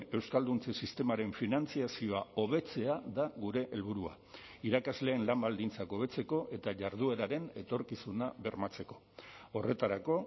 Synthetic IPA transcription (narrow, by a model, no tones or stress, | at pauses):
e̞wskald̪unt͡sesist̪e̞maɾe̞ɱfinant͡siasio̞ao̞β̞e̞t͡se̞aðaɣuɾe̞ʔelβuɾua̰ | iɾakazle̞ːnlambald̪int͡sako̞β̞e̞t͡se̞ko̞ʔe̞t̪aʝaɾð̞ue̞ɾaɾe̞ne̞t̪o̞ɾkisunaβe̞ɾmat͡se̞ko̞̥ | o̞re̞t̪aɾako̞